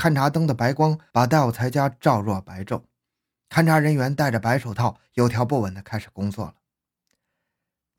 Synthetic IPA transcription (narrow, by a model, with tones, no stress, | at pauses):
kʰa˥˩nʈ͡ʂʰa˧˥t̪ɤ˥ŋd̪ə˨pa˧˥ɪkwɑ˥ŋpa˨˩t̪a˥˧ɪu˨˩t͡sʰa˧˥ɪt͡ɕja˥ʈ͡ʂɑ˥˧ʊɻwɔ˥˩pa˧˥ɪʈ͡ʂo˥˩ʊ | kʰa˥˩nʈ͡ʂʰa˧˥ɻə˧˥nɥɛ˧˥nt̪a˥˩ɪʈ͡ʂə˩pa˧˥ɪʂo˨˩ʊt̪ʰɑ˥˩ʊjo˧˥ʊjɑ˧˥ʊp̬u˥˩wə˨˩nd̪ə˧kʰa˥ɪʂɻ̩˨˩kʊ˥ŋt͡swɔ̰˥˩lə˩